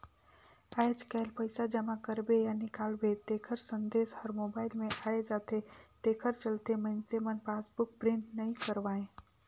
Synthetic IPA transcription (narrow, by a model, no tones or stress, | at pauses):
aːjd͡ʒkɛːlpəɪsad͡ʒəmakəɾbejanɪkaːlbet̪eːkʰəɾsə̃nd̪eːshəɾmobaːɪlmẽʔaːed͡ʒaːt̪et̪eːkʰəɾt͡ʃəlt̪emə̃nsemənpaːsbʊk̚pɾɪ̃ɳʈnəɦĩkəɾʋaːẽ